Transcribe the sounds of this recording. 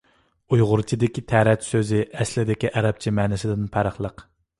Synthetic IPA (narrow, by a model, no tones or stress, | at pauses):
ujʁʊɾt͡ʃʰid̪ɪkʲit̪ʰæɾɛt̪søzɪʔɛslɪd̪ɪkʲiʔɛɾɛp̚t͡ʃʰimɛnɪsɪd̪ɪnpʰæɾəχlˠəq